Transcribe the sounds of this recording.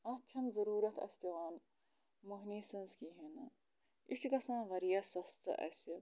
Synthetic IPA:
ɐt͡ʃʰɐnzɐɾuːɾɐt̪ʰɐ̰st̪ɐʋaːn | muɦniːsɐ̃nskiɦenɐ | iʃkɐsãːʋɐɾijɐsɐst̪ɐ̰ʔɐ̰s

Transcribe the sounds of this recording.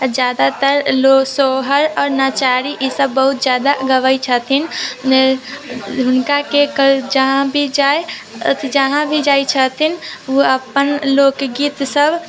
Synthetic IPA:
d͡ʒjaːd̪at̪əɾlosoːɦəɾɔːɾnat͡ʃaːɾiʔisəbːəɦut̪̚d͡ʒjaːd̪aɡəʋəjt͡ʃʰət̪ʰin | ɦʊnkakekd͡ʒəɦãbʱid͡ʒaːḛ | t̪ʰd͡ʒəɦãbʱid͡ʒaːit͡ʃʰət̪ʰinuəpənloːkɡiːt̪səbʱ

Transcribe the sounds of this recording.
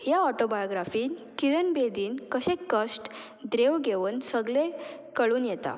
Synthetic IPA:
jaɔʈobajoɡɾafiːnkilənbed̪iːnkəɕẽkːəsʈ | d̪ɾeʋɡeʋuːnsəɡɭe | kəɭuːnjɛt̪a̰

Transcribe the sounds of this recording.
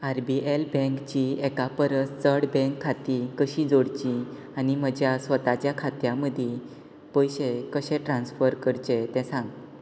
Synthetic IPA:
aɾbiʔelbɛ̃ŋkt͡ɕiɛkapəɾəst͡səɽbɛ̃ŋkʰːat̪ikəɕid͡zoɽt͡ɕi | anim̤əd͡ʑjasʋət̪at͡ɕjakʰat̪jãməd̪ʱje | pəjɕekəɕɛ̃ʈɾãnsfəɾkəɾt͡ɕet̪ɛ̃sãŋɡ

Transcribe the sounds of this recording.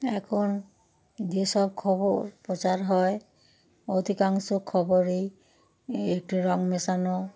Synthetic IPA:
ɛkʰon | d͡ʒesɔbkʰɔboɾpɾɔt͡ʃaɾɦɔe | od̪ʱikaŋsokʰːɔbɔɾe | ek̚ʈiɾɔŋmesanɔ

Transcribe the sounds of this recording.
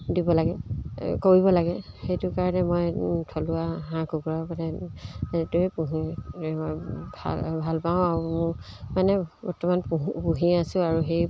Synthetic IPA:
dibɔlaɡɛkoɹibɔlaɡɛxejtʊkaɹɔnɛmɔjtʰɔlʊaɦãkuɡɹapanɛ | tuepuɦiɔjbʱa̰bʱalpãʊ̃aɹumʊmanɛbɔɹtɔmanpupuɦiasʊ̃aɹuxej

